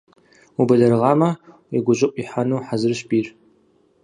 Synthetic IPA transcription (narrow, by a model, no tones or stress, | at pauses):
ubɐɮɐrʁɑːmɐ | iɡʷʊʑʷɪqʷʼiħanuːħazɨrʃbiːr